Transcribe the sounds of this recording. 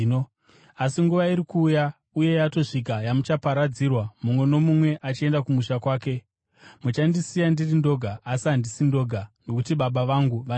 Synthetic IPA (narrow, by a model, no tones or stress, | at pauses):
o | asiŋɡuʋaiɾikuːja | uje̞jato̞ʂikajamut͡ʃapaɾad͡zirwamumwe̞no̞mumwe̞ʔat͡ʃie̞ndakumuʃakwaːke̞ | mut͡ʃandisijandirindo̞ɡʱaːsiandisindo̞ɡʱanɡokutiɓaɓaʋaŋɡuʋa